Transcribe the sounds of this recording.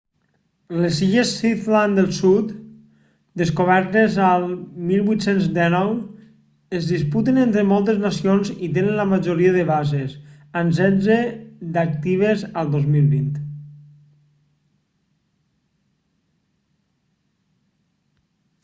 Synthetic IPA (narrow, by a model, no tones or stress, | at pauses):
lesiʒesiθland̪əlˠsut̪ | d̪eskoβ̞ɛɾt̪ezalˠmilˠβwuit̪senzd̪ɛnɔw | ezðisput̪enent̪ɾemɔlˠt̪eznasionzit̪enənləmaʒoɾiəðəβazes | ans̬ɛd͡zed̪ak̚t̪iβ̞ezalˠd̪ozmilˠβint̪